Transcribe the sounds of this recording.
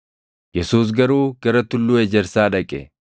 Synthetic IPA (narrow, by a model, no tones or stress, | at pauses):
jɛsuːs̬ɡɐɾuːɡɐɾɐt̪ʊlːuːɛd͡ʒɛɾsaːᶑɐkʼɛ̰